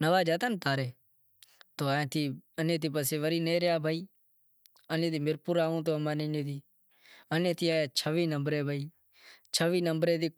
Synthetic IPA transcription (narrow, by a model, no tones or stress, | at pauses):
nəʋaːd͡ʒaːt̪ənt̪aːɾeː | t̪oːaːẽːt̪ʰiːənẽːt̪̬iːpəseːʋəɾiːneːɾjaːbʱaːiː | ənẽːd̪iːmɪɾpuːɾaːũːt̪̬oːəmaːneneːd̪iː | ənẽːt̪ʰiːaːjaːt͡ʃʰəʋiːnəmbɾeːbʱaːiː | t͡ʃʰəʋiːnəmbɾeːd̪iː